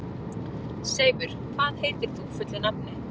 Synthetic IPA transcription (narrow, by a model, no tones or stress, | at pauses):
seːjvʏɾ̥kʰvaːðheːjt̪ɪɾ̥θufʏt̪lɪnapnɪ